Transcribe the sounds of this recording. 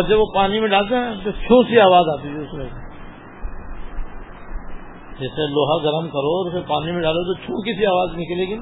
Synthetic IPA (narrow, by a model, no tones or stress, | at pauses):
ɾd͡ʒɐbʋopaːnimẽɖaːlt̪̬eɦɛ̃t̪ot͡ʃʰũːsiaːʋaːzaːt̪it̪ʰɛʊsmẽ | d͡ʒɛːseloːɦaɡɐɾəmkɐɾoɔːɾʊsepaːnimẽɖaːlot̪̬ot͡ʃʰũːkisiaːʋaːznɪkleːɡin